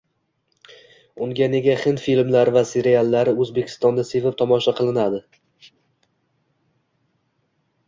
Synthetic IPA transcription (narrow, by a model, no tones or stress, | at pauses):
ʊŋɡʲane̞ɡʲaχɪnfilmlaɾvase̞ɾialˠːaɾɪɵzbe̞kʲʰɪ̥st̪ɒnd̪asevɪp̚t̪ʰɒmɒʃaqʰɨlˠɪnad̪ɪ